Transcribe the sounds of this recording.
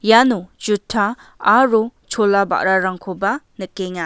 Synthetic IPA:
janud͡ʒutʰːaː | ɾut͡ʃʰɔlaba̰ʔɾaɾaŋkʰobanɯkeŋa

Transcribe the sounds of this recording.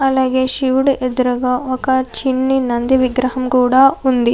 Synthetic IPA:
ɐlːɐɡeʃiʋɽiʔed̪ɾɐɡɐɔkɐt͡ʃinːinɐnd̪iʋiɡɾɐɦɐmkuːɽɐund̪i

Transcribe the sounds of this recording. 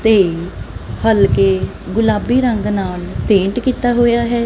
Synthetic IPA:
t̪eː | həlkeː | ɡʊlaːbiːɾəŋɡnaːlp̪ẽːɳʈkiːt̪aːɦoːjaːɦɛː

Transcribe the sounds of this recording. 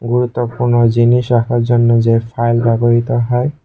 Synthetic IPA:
ɡuɾut̪ːɔpuɾnɔd͡ʑiniʃakʰaɾzɔnːɔzepʰajlbaboɦit̪ɔɦɔj

